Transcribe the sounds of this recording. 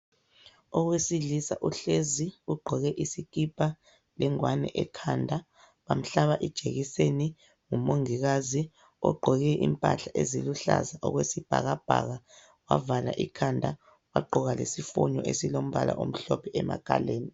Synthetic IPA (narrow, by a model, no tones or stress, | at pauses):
ɔɣwesiɮisaʔuɬeziuɡ͡ǃʱɔɣɛʔisik̬ʼipʰʼa | lɛŋwanɛ̰ʔɛkʰandʱa | βam̩ɬaβaʔid̥ʒ̥ʱeɣiseni | ŋumoŋiɣazi | ɔ̰ɡ͡ǃʱɔɣɛʔimpʼa̰ɬaʔeziluɬa̰zaʔɔɣwesib̥ʱa̰ɣab̥ʱa̰ɣa | wa̰vala̰ʔikʰandʱa | waɡ͡ǃʱɔɣalesifuɲɔʔesilom̩βala̰ʔom̩ɬɔpʰɛʔɛma̰kʰʼa̰leːni